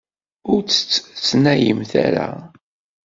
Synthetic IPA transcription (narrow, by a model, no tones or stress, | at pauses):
ʊɾt͡sːə̥t͡sːt͡sːnæjəmθæ̰ɾa̰